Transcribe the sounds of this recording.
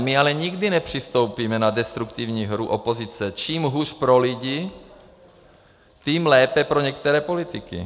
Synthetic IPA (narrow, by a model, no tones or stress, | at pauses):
mɪalɛɲiɡdinɛpr̝̥ist̪owpiːmɛnadɛst̪ɾukt̪ivɲiːɦɾuʔopozit͡sɛt͡ʃiːmɦuːrpɾoliɟi | t̪iːmlɛːpɛpɾoɲɛk̚t̪ɛɾɛːpo̞lit̪ɪkḭ